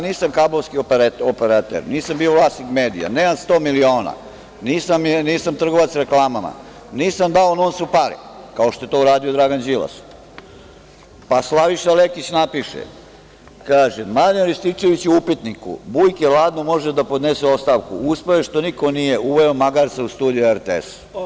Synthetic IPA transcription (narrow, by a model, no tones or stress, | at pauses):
niːsamkabloʋskiopeɾat̪ḛɾniːsambio̞ʋlˠaːst̪nikmeːd̪ḭja̰neːmanst̪o̞ːmilioːna̰ | niːsamniːsamt̪r̩ɡo̞ʋat̪sɾeklˠaːmama̰ | niːsamd̪aonoːnsupaɾḭkao̞ʃt̪oe̞t̪o̞uɾaːd̪iod̪ɾaːɡand͡ʑila̰s | paslˠaʋiʃalekit͡ɕnapiʃḛ | kaːʒemad̪enɾist̪it͡ʃe̞ʋit͡ɕuupit̪nikṵbujkeʋlˠaːd̪nomo̞ʒed̪apo̞d̪neseo̞st̪aʋkṵuspaeʃt̪o̞niko̞nijeuʋeomaɡaɾt̪seust̪uːd̪ijueɾt̪eḛs